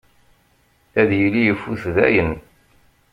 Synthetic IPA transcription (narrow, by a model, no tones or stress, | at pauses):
æðjəlːijəfːuθðæ̰jən